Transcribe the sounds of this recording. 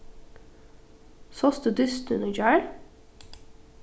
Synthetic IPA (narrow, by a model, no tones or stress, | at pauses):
sɔsd̪ʉːd̪ʏst̪ʉnəd͡ʒæːɹ